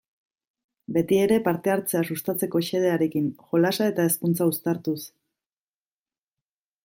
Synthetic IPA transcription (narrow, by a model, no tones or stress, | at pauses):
be̞t̪ie̞ɾe̞paɾt̪e̞aɾt͡se̞asust̪at͡se̞ko̞ʃe̞ð̞e̞aɾe̞kinʝo̞lasae̞t̪ae̞skunt͡saust̪aɾt̪us